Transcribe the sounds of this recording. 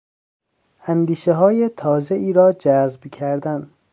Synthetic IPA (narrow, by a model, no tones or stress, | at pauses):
ænd̪iːʃeɦɒːjet̪ʰɒːzeiːɾɒːd͡ʒæzbcʰæɾd̪æn